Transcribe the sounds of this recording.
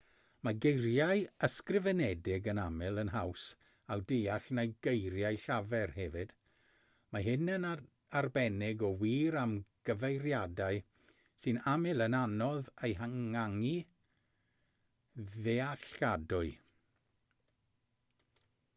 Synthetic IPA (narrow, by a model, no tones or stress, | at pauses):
maɡejrjajəskrɪvɛnɛdɪɡənamɪlˠənɦaws | awdejaɬnajɡ̥ejɾjajɬavɛrhɛvɨd̥ | maɦɪnən | arbɛnɪɡɔwiːɾamɡ̥əvejrjadaɨ | sɨnamɪlˠənanɔðejɦaŋaŋi | ðeaɬadʊɨ